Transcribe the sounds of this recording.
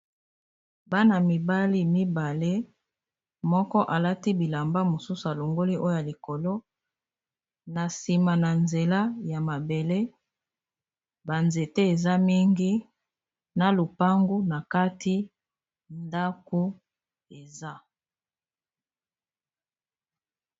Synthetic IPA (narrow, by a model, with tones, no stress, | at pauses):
ba˦na˨mi˨ba˦li˦mi˦ba˨le˦ | mɔ˦kɔ˦ʔa˨la˦ti˦bi˨la˨mba˦mo˨su˦su˨a˨lo˨ŋɡo˦li˦ʔo˦o˦ja˨li˨ko˨lo˦ | na˨si˨ma˨na˨nze˨la˦ja˨ma˨be˨le˦ | ba˨nze˨te˦e˨za˦mi˦ŋɡi˦ | na˨lo˨pa˦ŋɡu˦na˨ka˦tʰi˦ | nda˦ko˦ | e˨za˦